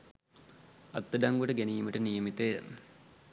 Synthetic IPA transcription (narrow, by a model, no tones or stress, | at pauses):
ɐt̪ːəɖɐŋɡoʈəɡeniːməʈənijəmit̪e